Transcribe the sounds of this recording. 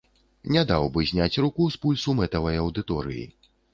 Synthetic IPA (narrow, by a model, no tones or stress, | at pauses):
nʲad̪awbɨzʲnʲat͡sʲrukuspulʲsumɛt̪ɐvɐjɐwd̪ɨt̪ɔɾɨ̰jḭ